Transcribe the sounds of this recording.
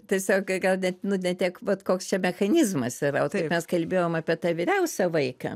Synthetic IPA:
t̪ʲiɛsʲoːkɡɐlˠnʲɛtnʊnʲɛt̪ʲiɛkʋɐt̪koːkst͡ʃʲɛmʲɛxɐnʲɪzmɐsɪɾɐtkɐɪpmʲɛskɐlʲbʲeːjoːmɑːpʲiɛt̪ɑːʋʲɪɾʲɛʊsʲɛʋɐɪkɐ̰

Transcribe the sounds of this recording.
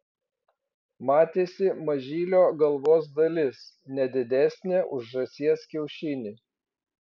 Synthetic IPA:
mɑːt̪ʲeːsʲɪmɐʒʲiːlʲoːɡɐlˠʋoːs̬d̪ɐlʲɪs | nʲɛd̪ʲɪd̪ʲæˑsʲnʲeːʔʊʒʒɐsʲiɛskʲɛʊʃʲɪnʲɪ

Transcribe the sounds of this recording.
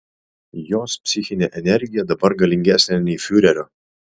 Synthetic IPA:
joːspʲsʲɪxʲɪnʲeʔɛnʲɛɾʲɡʲɪjɛd̪ɐbɐɾɡɐlʲɪŋʲɡʲæsʲnʲenʲɛɪfʲʊɾʲɛɾʲoː

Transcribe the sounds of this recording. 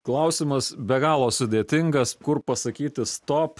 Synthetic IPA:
klˠɐʊsʲɪmɐsbʲɛɡɑːlˠoːsʊd̪ʲeːt̪ʲɪŋɡɐskʊɾpɐsɐkʲiːt̪ʲɪst̪oːp

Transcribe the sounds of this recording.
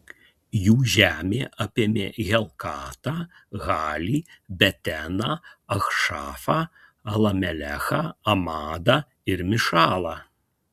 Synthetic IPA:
juʒæmʲeʔɐpʲɛmʲɛ̰ɣʲɛlˠkat̪ɐ | ɣalʲibʲɛt̪ʲɛnɐɐxʂafɐ | ɐlˠɐmʲɛlʲɛxɐɐmad̪ɐ | irmʲɪʂalˠɐ

